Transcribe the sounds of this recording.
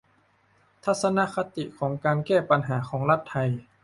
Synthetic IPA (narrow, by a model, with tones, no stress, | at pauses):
t̪ʰa˧˥t̪̚sa˧na˧˥kʰa˧t̪i˨˩kʰɔː˩˦ŋkaː˧nkɛː˥˩pa˧nɦaː˩˦xʰɔː˩˦ŋla˧˥t̪ʰːa˧j